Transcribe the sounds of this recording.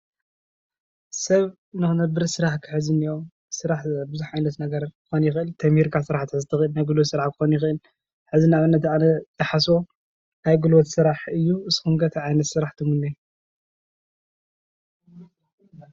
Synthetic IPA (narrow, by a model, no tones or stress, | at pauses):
sɐβ | nɨxɨnɐbɨɾsɨɾaħkʰɨ̥ħɨzɨnijo | sɨɾaħbɨzuħʕajnɐt̪nɐɡɐɾkʰɨxonjɪxʔɨlt̪ʰɐmhiɾkʰasɨɾaħt̪ʰɨħɨzt̪ʰɨxɨlnajɡulwot̪sɨɾaħkʰɨ̥xonjɪxʔɨl | ħɨzinaβɨnːɐt̪anɐzɐħaswo̞ | najɡulwot̪sɨɾaħɨjːuɨsxumɡɐt̪ʰiʕajnɐt̪sɨɾaħt̪ʰɨmunːi